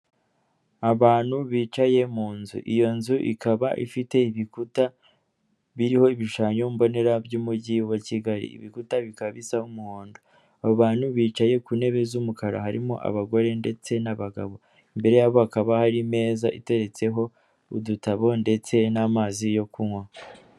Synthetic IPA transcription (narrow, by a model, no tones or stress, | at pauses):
aβaːn̥huβiːt͡ʃaje̞muːnzṵʔijo̞nzuʔḭkʰaβaʔḭfite̞iβikuta | βiɾiho̞iβiʃaːɲombo̞ne̞ɾabjuːmuɟiwaciɡaɾḭḭβikutaβikaβisahumuhoːndo̞ | aβaːnhuβiːt͡ʃaje̞kuːne̞βe̞zumukaɾa̰haɾimo̰ʔa̰βaɡo̞ɾe̞nde̞t͡se̞naβaɡa̰βo̞ | imbe̞ɾe̞jaβoakaβahaɾime̞ːzaʔite̞ɾe̞t͡se̞ɦo̞ | udutaβo̞nde̞t͡se̞namaːzijo̞kʰuŋwa